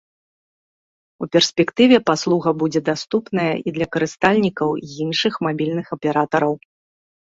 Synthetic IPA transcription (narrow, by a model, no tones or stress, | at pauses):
upʲɛrsʲpʲɛkt̪ɨvʲɛpaslˠuɣɐbud͡zʲɛd̪ast̪upnɐjɐʔid̪lʲɐkɐɾɨst̪alʲnʲikɐwinʂɨxmabʲilʲnɨxɐpʲɛɾat̪ɐɾɐw